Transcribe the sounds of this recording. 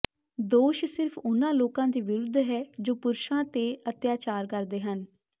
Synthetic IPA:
d̪oːʃsɪɾpʰʊnãːloːkãːd̪iːʋɪɾʊd̪ʱːɦɛːd͡ʒoːpʊɾʃãːt̪eːət̪jaːt͡ʃaːɾkəɾd̪eːɦən

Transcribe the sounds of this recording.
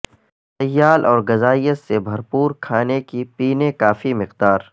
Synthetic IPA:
t̪ɐjːaːlʔɔːɾɡɐzaːijət̪sebʱɐɾpuːɾkʰaːnekipiːnekaːfimɪqd̪aːɾ

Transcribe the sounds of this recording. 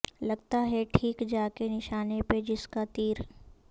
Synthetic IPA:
lɐɡt̪aɦɛʈʰiːkd͡ʒaːkenɪʃaːneped͡ʒɪskat̪iːɾ

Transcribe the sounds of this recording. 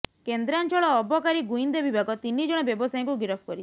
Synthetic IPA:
kend̪ɾant͡ʃɔɭɔːbɔkaɾiɡujnd̪ebibʱaɡɔt̪inːid͡ʒɔɽ̃ɔbjɔbɔsaj̃ŋkuɡɾɔpʰkɔɾit͡ʃʰ

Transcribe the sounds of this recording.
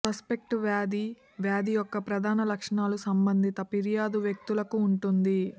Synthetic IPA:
sɐspe̞k̚ʈʋaːd̪i | ʋjaːd̪ijɔkːɐpɾɐd̪ʱaːnɐlɐkʂɐɳaːlusɐmbɐnd̪ʱit̪ɐpiɾijaːd̪uʋjɐk̚t̪ulɐkuːɳʈund̪i

